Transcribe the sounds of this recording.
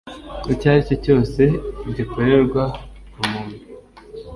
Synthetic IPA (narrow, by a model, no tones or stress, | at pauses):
icaːɾicoco̞ːse̞bɟikoɾeɾɡwaumuːnu